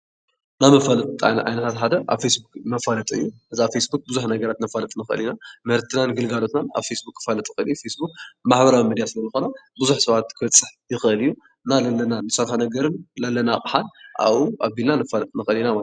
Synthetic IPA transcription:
namɐfalɐt̪ʼa̰ʕa̰jnɐt̪ʰat̪ħad̪ɐʔa̰βfesbukmɐfalɐt̪ʼɨjːuʔɨzafesbuk̚bɨzuħnɐɡɐɾat̪nɐfalɐt̪ʼnɨxɨ̰linamɐhɾt̪ʰɨnanɨɡɨlɡalot̪nana̰βfesbukːɨ̥falɐt̪ʼixɨlijfesbuk̚maħbɐɾawimid̪jasɨlɐzɨxonabɨzuħsɐβat̪kʰɨbɐt͡sʼːɨħjɪxʔɨlɨjːu | nalɐlːɐnanɨsɐɾħanɐɡɐɾɨnlɐlːɐnakʼħanʔa̰βuʔaβbilnanɐfalɐt̪ʼnɨxɐlinamal

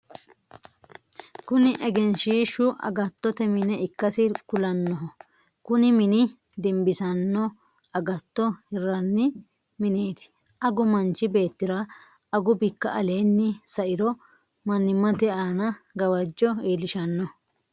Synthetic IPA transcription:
kʊnɪʔɛɡɛnʃiːʃʊʔɐ̰ɡɐt̪ːɔt̪ɛmɪnɛɪkːɐsɪkʊlɐnːɔɦɔ | kʊnɪmɪnɪ | d̪ɛmbɪsɐnːɔ | ɐɡɐt̪ːɔhɛrːɐnːɪ | mɪneːt̪ɪ̥ | ɐɡʊmɐnt͡ʃɪbe̞ːt̪ːɪɾɐ | ɐɡʊbɪkːɐʔɐle̞ːnːɪsɐʔɪɾɔ | mɐnːɪmːɐt̪ɛaːnɐɡɐwɐd͡ʒːɔiːlɪʃɐnːɔ

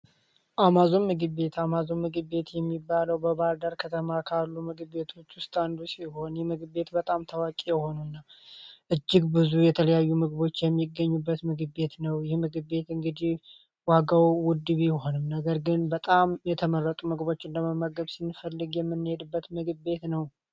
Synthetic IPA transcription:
ʔamazo̞nmɨɡɨβe̞t̪ʰamazomɨɡɨbːe̞t̪jɛmːibːaləwbəβald̪əɾkʰət̪ʰəmakʰalːumɨɡɨe̞t̪ʰo̞t͡ʃːwʊst̪ʼand̪usiho̞njɛmɨɡbe̞t̪bət̪ʼamt̪ʰəwakʼijɛho̞nunːaʔɨd͡ʒːɪɡbɨzujɛt̪ʰələjajːumɨɡbo̞t͡ʃːjɛmːiɡəɲːubːət̪mɨɡɨbːe̞t̪nəwjɪhmɨɡɨbːe̞t̪ɨŋɡɨd̪ih | waɡawwʊd̪ɨβjɪho̞nɨmnəɡəɾɡɨnbət̪ʼamjɛt̪ʰəmərːət̪ʼumɨɡbo̞t͡ʃːɨnd̪əməməɡəβsɨnːfəlːɨɡjɛmːɨnːɨhed̪ɨbːət̪mɨɡɨbbe̞t̪nəw

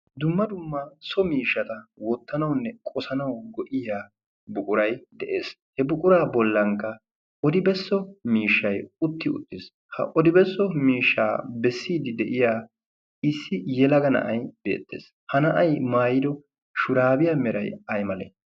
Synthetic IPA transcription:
d̪ʊmːɐd̪ʊmːɐsɔmiːʃːɐt̪ɐwɔt̪ːɐnɐwnːɛkʼɔsɐnɐwɡɔʔɪjaː | bʊkʼʊɾɐjd̪ɛʔḛːs | hɛbʊkʼʊɾaːbɔlːɐŋkːɐ | ʔɔd̪ɪbɛsːɔmiːʃːɐjʊt̪ːɪʊ̰t̪ːɪs | hɐ̰ʔɔd̪ɪbɛsːɔmiːʃːa̰ːbɛsːiːd̪ɪd̪ɛʔɪjaː | ɪsːɪjɛlɐɡɐnɐ̰ʔɐjbḛːt̪ːḛːs | hɐnɐʔɐjmaːjɪd̪ɔ | ʃʊɾaːbɪjaːmɛɾɐ̰jɐjmɐlḛː

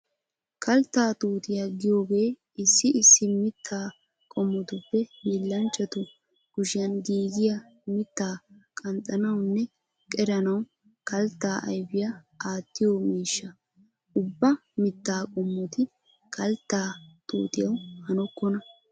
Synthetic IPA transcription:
kʰɐlt̪ːaːt̪uːt̪ɪjɐɡɪjo̞ːɡe̞ː | ɪsːɪʔɪsːɪmɪt̪ʰːaː | kʼɔmːɔt̪ʊpːɛmɪlːɐnt͡ʃʼːɐt̪ʊ | ɡ̥ʊʃɪjɐnɡiːɡɪjɐ | mɪt̪ːaːkʼɐnt̪ʼɐnɐwnːɛ | kʼɛɾɐnɐw | kɐlt̪ːaːʔɐ̰jbɪjɐ | aːt̪ːɪjomiːʃːɐ | ʊbːɐmɪt̪ːaːkʼɔmːɔt̪ɪ | kɐlt̪ːaːt̪ʼṵːt̪ɪjɐwhɐnɔkːɔnɐ

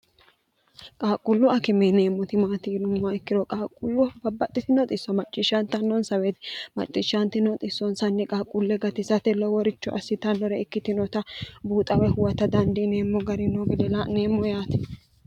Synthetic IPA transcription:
kʼaːkʼːʊlːʊʔɐkɛmeneːmːɔt̪ɪmaːt̪iːlʊmːɐɪkːɪɾɔkʼaːkʼːʊlːʊbɐbːɐt̪ʼːɪt̪ɪnɔt̪ʼɪsːɐmɐt͡ʃʼːɪʃːɐnt̪ɐnːɔnsɐweːt̪ɪmɐ̰t͡ʃʼːɪʃɐnt̪ɪnɔt̪ʼɪsːɔnsɐnːɛkʼaːkʼʊlːɛɡɐt̪ɪsɐt̪ɛlɔwɔɾɪt͡ʃːɔʔɐsːɪt̪ɐnːɔɾɛkːɪt̪ɪnɔt̪ɐbuːt̪ʼɐwɛhʊwɐt̪ɐd̪ɐnd̪ineːmːɔɡɐɾɪnɔɡɪd̪ɛlaneːmːɔjaːt̪ɪ̥

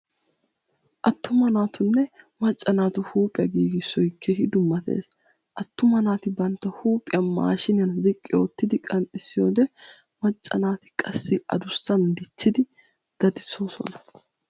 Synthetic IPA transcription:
ʔɐt̪ːʊmɐnaːt̪ʊnːɛmɐt͡ʃʼːɐnaːt̪ʊhuːpʼɪjɐɡiːɡɪsɔjkʰːɛhɪd̪ʊmːɐt̪ḛːs | ʔɐt̪ːʊmɐnaːt̪ɪbɐnt̪ːɐhuːpʼɪjɐma̰ːʃɪnɐnzɪkʼːɪɔt̪ːɪd̪ɪkʼɐnt̪ʼɪsːɪjo̞ːd̪ɛ | mɐt͡ʃʼːɐnaːt̪ɪ̥kʼɐsːɪʔɐ̰d̪ʊsːɐnd̪ɪt͡ʃːɪd̪ɪ | ɡ̥ɐd̪ɪso̞ːsɔ̰nɐ̥

